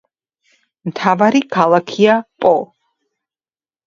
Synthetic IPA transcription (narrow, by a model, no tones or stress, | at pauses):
mt̪ʰavaɾikʰalˠakʰiapʼɔ